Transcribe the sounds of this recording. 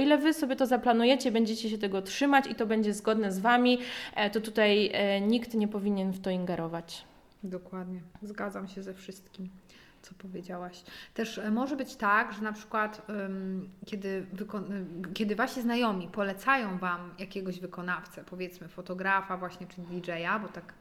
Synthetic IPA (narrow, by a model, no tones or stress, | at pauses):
ɔilɛvɘsɔbʲjɛt̪ɔzaplanujɛt͡ɕɛbɛɲd͡ʑɛt͡ɕɛɕ̬ɛt̪ɛɡɔtʂɘmat͡ɕit̪ɔbɛɲd͡ʑɛzɡɔd̪nɛzvamʲit̪ɔt̪ut̪ajɲikt̪ɲɛpɔvʲiɲɛnft̪ɔiŋɡɛɾʔɔvat͡ɕ | d̪ɔkwad̪ɲɛzɡad̪zamɕɛzɛfʂɘst̪̚kʲim | t̪sɔpɔvʲjed͡ʑawaɕt̪ɛʂmɔʐɛbɘt͡ɕt̪aɡʐɛnapʂɘ̥kwat̪mkʲɛd̪ɘvɘkɔkʲɛd̪ɘvaɕiznajɔmʲipɔlɛt̪sajɔ̃w̃vamjakʲɛɡɔʑvɘkɔnaft̪sɛpɔvʲjɛt̪smɘfɔt̪ɔɡɾafavwaɕɲɛt͡ʂɘd̪ʲid͡ʐɛjabɔt̪ak